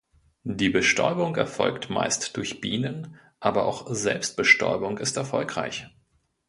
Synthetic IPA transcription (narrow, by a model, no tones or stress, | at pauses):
diːbəʃtʰɔ̰ʏbʊŋɛɐfɔ̰lktma̰ɪstd̥ʊɐçb̥iːnən | ʔaːbɐʔa̰ʊxzɛlpst̚b̥əʃtɔ̰ʏbʊŋɪstɛɐfɔlkʁ̥a̰ɪç